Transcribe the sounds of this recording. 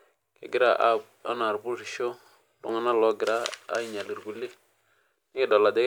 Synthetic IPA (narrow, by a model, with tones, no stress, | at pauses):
kḛ˨ɡɪ˦ɾa˨ʔa˦ | a̰˦na˨ɾbu˦si˨ʃo˦ | lo̰˨ŋa˦na˦lɔ˦ɡɪ˨ɾa̰˦i˨ɲa˨li˨ɾɡu˨li˦ | ni˦ɡi˨da˨la˨de˦